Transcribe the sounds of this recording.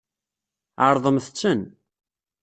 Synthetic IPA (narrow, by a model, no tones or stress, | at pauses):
ʕəɾˤðˤəmθt͡sːən